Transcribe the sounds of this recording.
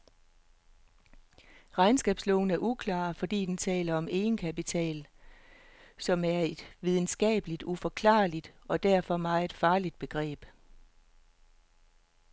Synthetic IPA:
ʁɑ̈ɪnsɡ̥ɛːb̥slɔːn̩æɐʔukʰlɑ̰̈ːfɒ̽d̥ḭːd̥ent͡sʰɛ̰ːlɐɒ̽me̝ːnkʰæpit͡sʰɛ̰ːl | sɒ̽mæɐe̝d̥ʋið̞ˠn̩sɡ̥ɛ̰ːb̥əlid̥ufɒ̽kʰlɑ̰̈ːlid̥ɒ̽d̥æɐ̰fɒ̽mɑ̈ɪe̝d̥fɑ̈ːlid̥̚b̥e̝ɡ̥ʁɛ̰ːb̥

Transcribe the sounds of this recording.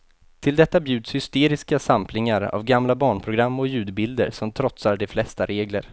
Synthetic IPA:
t̪ʰɪld̪ɛt̪ːabjʉ̟ːd̪shʏst̪eːɾɪskasampʰlɪŋaɾa̰vɡamlabɑːɳpʰɾʊɡɾamːɔjʉ̟ːd̪bɪld̪ə̰ɾsɔmt̪ʰɾɔt̪saɖɛflɛst̪aɾeːɡlə̰ɾ

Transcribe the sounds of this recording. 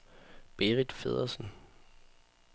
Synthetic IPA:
b̥e̝ʁid̥feð̞̰ˠɐsn̩

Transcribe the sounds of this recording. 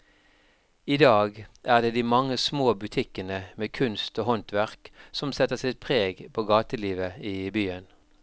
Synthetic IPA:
iːd̪ɑːɡʔæːʁd̪eːd̪iːmɑŋəsmoːbʉt̪ʰɪkənəmeːkʰʉnst̪oːɦɔnt̪ʋæʁksɔmsɛt̪ːəsɪt̪̚pʰʁeːɡpʰoːɡɑːt̪əliːʋəiːbyːən

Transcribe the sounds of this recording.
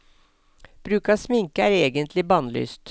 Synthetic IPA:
b̥ɾʉːkɑːsmɪŋkəæːɾeːɡənt̪ʰlɪbɑːnly̰ːst̪

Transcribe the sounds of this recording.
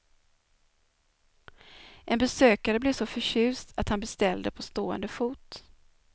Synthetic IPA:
ʔɛnbɛsøːkaɾəbleːsɔfœɕʉ̟ːst̪ʰat̪hanbɛst̪ɛld̪əpʰɔst̪oːə̰nd̪əfuːt̪

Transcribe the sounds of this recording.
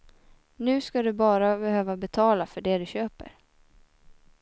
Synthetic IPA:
nʉ̟ːskad̪ɵbɑːɾabɛhøːvabɛt̪ʰɑːlafœɖɛd̪ɵɕøːpə̰ɾ

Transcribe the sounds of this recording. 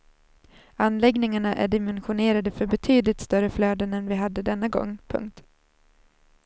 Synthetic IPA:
anːlɛɡnɪŋaɳaʔæ̰ɖɪmɛnɧʊneːɾad̪əfœɾbɛt̪ʰyːd̪lɪt̪st̪œɾəfløːd̪ənɛnvɪɦad̪ːəd̪ɛnːaɡɔ̰ŋːpʰɵ̰ŋk̚t̪

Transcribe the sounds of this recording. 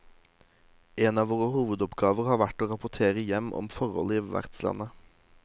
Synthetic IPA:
eːnɑːʋoːʁəhuːʋəd̪ɔpɡɑːʋəʁhɑːʋæʈoːʁɑpʊt̪ʰeːʁəjɛmʔɔ̰mfɔʁɔ̰liːʋæ̰ʁt̪slɑ̰nə

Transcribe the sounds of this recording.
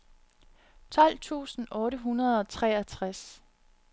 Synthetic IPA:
t͡sʰɒ̽l̰t͡sʰṵːsn̩ʔɔ̽ːɾəɦunɐð̞ˠɒ̽t͡sʰʁɛːɐt͡sʰʁas

